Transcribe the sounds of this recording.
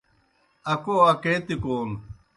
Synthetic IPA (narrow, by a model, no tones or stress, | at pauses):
ɐkoɐkeːt̪ikoːn